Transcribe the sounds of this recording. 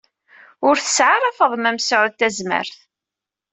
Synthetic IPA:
ʊɾθə̥sʕarˤɑfəðˤmæmsʕʊðt̪æzmə̰ɾθ

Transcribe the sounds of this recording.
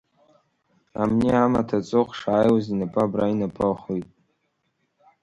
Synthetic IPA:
a̰mniamatʰat͡sʼɨχʂaːjwazinapʼabrainapʼaχujtʼ

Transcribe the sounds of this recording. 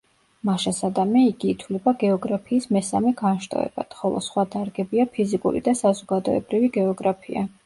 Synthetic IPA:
maʃasad̪amɛiɡiːt̪ʰwlɛbaɡɛɔɡɾapʰiːsmɛsamɛɡanʃt̪ʼɔ̰ɛ̰b̥a̰d̪̥χɔlˠɔ̰sχwad̪aɾɡɛbiapʰizikʼṵɾḭd̪asazɔɡad̪ɔɛ̰bɾiviɡɛɔɡɾapʰia̰

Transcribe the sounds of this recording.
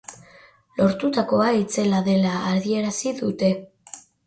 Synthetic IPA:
lo̞ɾt̪ut̪ako̞ait͡se̞laðe̞laːɾðie̞ɾasiðut̪e̞

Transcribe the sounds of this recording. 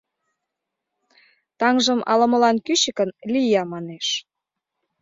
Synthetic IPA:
t̪ɑŋʒə̆mɑ̰lə̆mə̆lɑnkyɕə̆kənlʲijɑmɑneʃ

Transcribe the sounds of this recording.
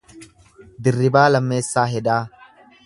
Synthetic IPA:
d̪ɪrːɪbaːlɐmːe̞ːsːaːɦɛd̪aː

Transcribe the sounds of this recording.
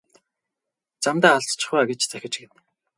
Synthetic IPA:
t͡samt̪aːaɮt͡st͡ɕ̆χaaɡet͡ɕt͡sæxʲɪ̆t͡ɕɡet̪

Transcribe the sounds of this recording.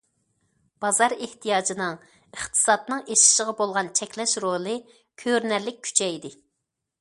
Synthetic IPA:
b̥ɑzɑɾeht̪ʰijɑːd͡ʒinɨŋ | əχt̪ʰɨ̥sɑt̪nɨŋeʃi̥ʃəʁɑbolˠʁɑnt͡ʃʰɛkʲlɛʃɾolˠɨ | kʲʰøɾnæɾlɪk̚ʲʰːy̥t͡ʃʰɛjd̪ɪ

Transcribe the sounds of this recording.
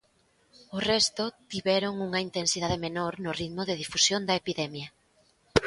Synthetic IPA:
ʊrɛst̪ʊt̪iβɛɾʊŋuŋɐint̪ensiðaðemenoɾnʊrit̪mʊðeð̞ifusjond̪ɐepiðɛmjɐ

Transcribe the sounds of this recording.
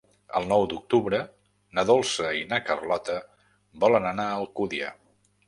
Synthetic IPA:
ə̰lˠnɔwd̪uk̚t̪uβɾə | nəðolˠsəinakərlɔt̪ə | bɔlənənaəlˠkuðiə̰

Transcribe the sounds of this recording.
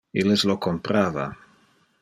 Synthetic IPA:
ilezlokompɾaβa̰

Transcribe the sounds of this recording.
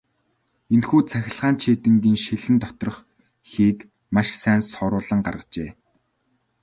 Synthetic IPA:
enxuːt͡sʰæxʲɪ̆ɮʁaːnt͡ɕʰeːt̪ɘ̆ŋɡiːŋʃeɮɘ̆nt̪ɔt̪ɞrɞ̆χ | xiːk | maʃsæːnsɔɾʊːɮə̆ŋɢa̰rʁə̆t͡ɕeː

